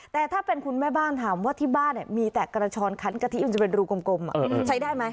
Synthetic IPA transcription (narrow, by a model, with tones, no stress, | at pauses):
t̪ɛː˨˩t̪ʰaː˥˩pe˧nkʰu˧nmɛː˥˩baː˥˩nt̪ʰaː˩˦mwaː˥˩t̪ʰiː˥˩baː˥˩nːi˧˩miː˧t̪ɛː˨˩ka˧ɾaː˧t͡ɕʰɔː˧nkʰa˨˦˥nka˧t̪ʰi˦˥˩ma˧˩t͡ɕa˨˩pe˧nɾuː˧ko˧mko˧mʔa̰˨˩ʔːʔt͡ɕʰa˦˥jdaː˥˩jma˦˥j